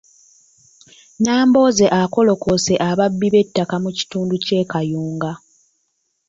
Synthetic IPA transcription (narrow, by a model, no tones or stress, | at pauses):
naːmbo̞ːze̞ʔako̞lo̞kose̞ʔaβabːiβe̞tːakamuci̥tuːnduce̞ːkajuːŋɡa